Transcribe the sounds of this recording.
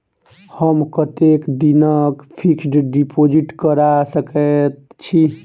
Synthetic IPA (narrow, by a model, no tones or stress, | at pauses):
həmkət̪ekd̪inəkpʰiksɖɖipʰod͡ʒiʈkəɾasəkɛt̪t͡ʃʰi